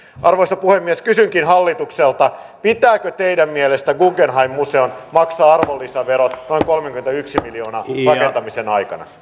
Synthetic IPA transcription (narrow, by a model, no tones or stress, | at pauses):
ʔɑrʋoisɑpuhemːieskysyŋkinɦɑlːit̪ukselt̪ɑ | pit̪æːkøt̪ejdæmmielest̪æɡuɡenɦɑimːuseonmɑksɑːɑrʋolːisɑʋeɾot̪noiŋkolmeŋkyment̪æyksimiljo̞ːnɑːrɑket̪ɑmisenɑjkɑnɑ̰